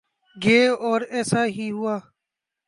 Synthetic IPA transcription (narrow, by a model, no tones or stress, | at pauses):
ɡeːɔːɾɛːsaːɦiːɦʊaː